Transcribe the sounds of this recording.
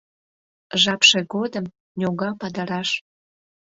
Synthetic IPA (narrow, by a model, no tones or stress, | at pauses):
ʒɑpʃeɣod̪əm | nʲoɣɑpɑd̪əɾɑʃ